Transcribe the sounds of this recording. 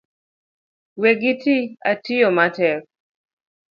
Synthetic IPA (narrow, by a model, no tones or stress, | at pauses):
weɡitiatijɔmatɛɾ